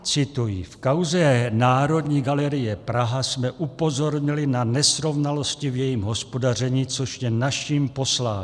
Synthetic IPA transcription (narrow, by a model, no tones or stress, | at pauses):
t͡sɪt̪ujifkawzɛnaːɾo̞dɲiːɡalɛɾɪjɛpɾaɦasmɛʔupo̞zo̞ɾɲɪlɪnanɛsɾo̞vnalo̞scɪvjɛjiːmɦo̞spo̞dar̝ɛɲiːt͡soʃjɛnaʃiːmpo̞slaː